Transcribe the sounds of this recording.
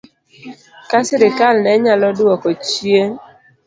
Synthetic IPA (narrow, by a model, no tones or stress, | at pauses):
kasiɾɪkalnɛɲalɔduɔkɔt͡ʃie